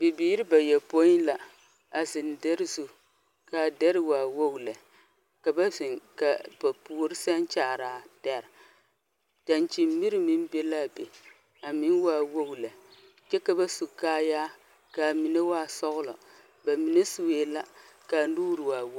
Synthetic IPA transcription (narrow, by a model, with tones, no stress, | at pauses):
bi˨biː˦ɾi˦ba˨jɛ˨po˦la˨ | a˨zɪ˨ndɛ˦ɾɨ˦zu˨ | ka˨dɛ˦ɾɨ˦waː˨wo˦ɡlɛ˨ | ka˨ba˦zɪ˨ŋka˨ba˨puː˦ɾɪ˦sa˦nt͡ʃaː˨ɾaː˨tɛ˦ɾ | ta˨nt͡ʃi˨mmi˦ɾɨ˨mi˦n˦be˦la˦˨be˨ | a˨mi˦n˦waː˦wo˦ɡlɛ˨ | t͡ʃɛ˦ka˦ba˦su˨kaː˦jaː˦ | ka˨mi˨ne˦waː˦˨sɔ˦ɣʊ˦lɔ̰˨ | ba˨mi˨ne˦su˨we˦la˦ | ka˨nuː˦ɾɨ˨waː˨wo˦